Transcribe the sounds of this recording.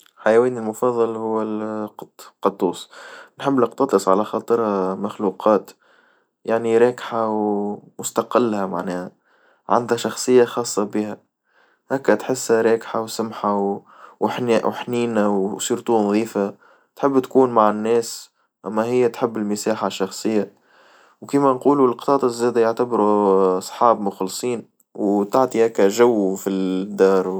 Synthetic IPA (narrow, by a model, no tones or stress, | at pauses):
ħajɛwiːnɪlmʊfɑðˤːɑlhʊwːɪlqqɑt̪ˤːuːsnħɪbːnɑqt̪ɑt̪ˤɨsˤʕa̰læxɑːt̪ˤɨɾhamaxluːqʰɑːt̪ | jaʕniɾˤɑːkħawmʊst̪ɑqɪlːhæma̰ʕnɛːhæ | ʕa̰nd̪hæʃɑxsˤɨjːaxɑːsˤːɑbihæ | hæːkːæt̪ħɪsːæɾˤɑːkħawsʊmħaw | wħnwħniːnawsiːɾt̪uːnðˤiːfa | t̪ħɪbːt̪kuːnmaʕɪnːɛːs | ʔæmːæɦɪjːæt̪ħɪbːɪlmɪsaːħaʃːɑxsˤɨjːa | wkiːmænquːluɪlqt̪ˤɑːt̪ˤɑzːæːd̪æjaʕt̪abɾusˤħɑːbmʊxlsˤiːn | wt̪aʕt̪ˤihæːkːæʒawːfid̪ːɑːɾˤ